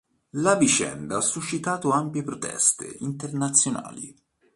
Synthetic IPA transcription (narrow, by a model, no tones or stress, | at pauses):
lavit͡ʃɛ̰nd̪aasːuʃːit̪aːt̪oampjepɾot̪ʰɛ̰st̪ḛint̪ernat̪sːjona̰ːlḭ